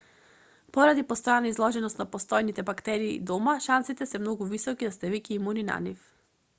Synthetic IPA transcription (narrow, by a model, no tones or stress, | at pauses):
pɔɾad̪ipɔst̪ɔjanaizlˠɔʒɛnɔst̪napɔst̪ɔjnit̪ɛbakt̪ɛɾḭːd̪ɔmaʃansit̪ɛsɛmnɔɡuvisɔkid̪ast̪ɛvikiimunina̰nif